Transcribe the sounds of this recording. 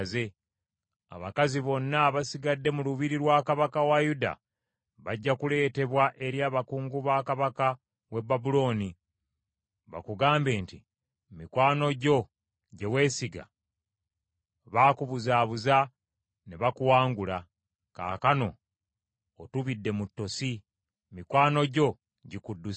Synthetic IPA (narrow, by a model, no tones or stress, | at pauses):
ze̞ | a̰βakaziβo̞nːaβasiɡadːe̞muluβiɾiɾwaːkaβakawajuda̰ | βaɟːakule̞ːte̞βwaʔe̞ɾjaːβakuːŋɡuβaːkaβaka | we̞bːabulo̞ːni | βa̰kuɡaːmbe̞ːnti | mikwaːno̞ɟo̞ | ɟe̞we̞ːsiɡa̰ | βaːkuβuzaːβuza | neβakuwaːŋɡula | ka̰ːkano̞ː | tuβidːe̞mutːo̞si | mikwaːno̞ɟo̞ | ɟikudːu